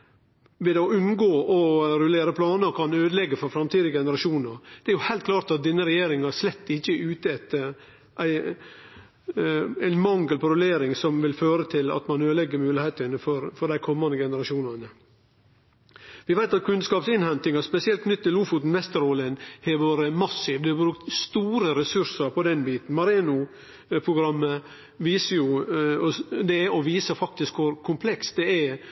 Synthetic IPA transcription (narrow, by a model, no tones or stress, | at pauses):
ʋɛd̪ɛɔʉnɡoːʔɔɾʉleːɾəpʰlɑːnəɾkʰɑnøːd̪əlɛɡːəfɔɾfɾɑmt̪ʰiːd̪ɪəɡɛnəɾɑʂuːnəɾd̪̥ɛæɾjʊhæɪt̪̚kʰlɑːɾt̪ɑt̪̚d̪ɛnːəɾɛjeːɾɪŋɑʂlɛt̪ːɪçːəʔʉːt̪əæt̪ | ʔæɪ | æɪnmɑŋɡəlpɔɾʉleːɾɪŋsɔmʋɪlføːɾət̪ʰɪlɑ̰t̪mɑnøːd̪əlɛɡːəɾmʉːlɪheːt̪ənəfɔɾfɔɖ̪æɪkʰɔmːɑnd̪əɡɛnəɾɑʃuːnɑnə | ʋɪʋæɪt̪ɑt̪̚kʰʉnskɑːpsɪnhɛnt̪ɪŋɑspɛsɪɛlt̪kʰnʏt̪ːɪluːfut̪n̩ʋɛst̪əɾoːlənhɛʋoːɾəmɑsːiːʋd̪ɛɑbɾʉkt̪st̪uːɾəɾɛsʉɾsəɾpʰɔd̪ɛnbiːt̪n̩mɑɾeːnʊ | pʰɾʊɡɾɑmːə | ʋiːsəɾjʊɔd̪ɛɛɔʋiːsəfɑk̚t̪ɪskʋʊɾkʰʊmpʰlɛksd̪ɛɛ